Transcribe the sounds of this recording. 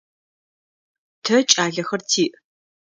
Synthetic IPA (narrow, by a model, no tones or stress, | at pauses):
tʰɐt͡ʃʼaːɮɐxɐrtʰiːʔ